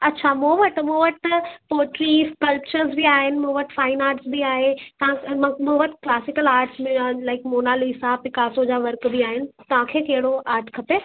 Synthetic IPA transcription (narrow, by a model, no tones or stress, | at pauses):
ɐtːɕʰamũʋəʈmũːʋəʈpoːʈliːskɐlpt͡ɕəɾzbiaːɦɪnɪ̆mũːʋəʈfaːɪnaːɾʈsbiaːɦet̪ɐʋãmũʋəʈklaːsɪkəlaːɾʈslaɪkmoːnaːliːsãpɪkaːsod͡ʑaːʋɐɾkbiaːɦɪnɪ̆t̪ɐʋ̤ãkʰeːkɐɦɪɽoʔaːɾʈʰkʰɐpe